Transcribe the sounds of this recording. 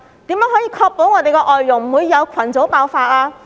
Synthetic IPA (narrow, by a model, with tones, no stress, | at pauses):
t̪iː˨˥mjɐ˨˥ŋhɔː˨˥jiː˧kʰɔː˧k̚po˨˥wŋɔː˨˧t̪e˨jkɛː˧ʔɔː˨jːʊ˨˩ŋm̩˨˩wuː˨˧jːɐ˨˧wkʰwɐ˨˩nt͡so˨˥wpaː˧wfaː˧t̚aː˧